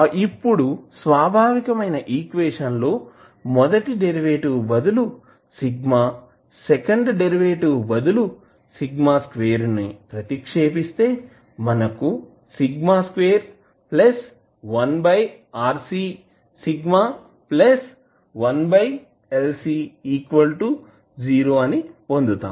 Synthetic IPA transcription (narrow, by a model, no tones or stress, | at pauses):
ipːuɽusʋaːbʱaːʋikɐmɐjnɐʔiːkʋeːʃɐnlo̞ː | mɔd̪ɐʈiɖeɾiʋeːʈubɐd̪ulu | siɡmaː | sekɐɳɖɖeɾiʋeːʈubɐd̪ulu | siɡmaːskʋeːɾnipɾɐt̪ikʂeːp̬ist̪e̞ː | mɐnɐku | siɡmaːskʋeːɾ | plɐs | ʋɐnbɐjaːɾsiː | siɡmaː | plɐs | ʋɐnbɐj | elsiːiːkʋɐlʈu | d͡ʒiːɾo̞ːɐnipo̞nd̪ut̪a̰ːmm